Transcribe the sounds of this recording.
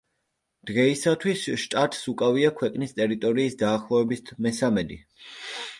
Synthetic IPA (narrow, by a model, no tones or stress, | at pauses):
d̪̥ʁɛisat̪ʰwisʃt̪ʼat̪ʼsukʼaviakʰwɛqʼnist̪ʼɛɾit̪ʼɔɾiːsd̪aːχlˠɔvɛbisʰmɛsamɛd̪i